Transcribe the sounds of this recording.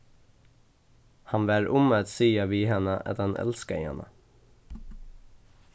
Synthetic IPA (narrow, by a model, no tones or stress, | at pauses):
hɑnʋæːɹʔʊmət̪siːɑʋiːhɛnəʔɑ̰t̪̚d̪ɛnʔɛ̰lskəɪ̰hɛ̰nə̰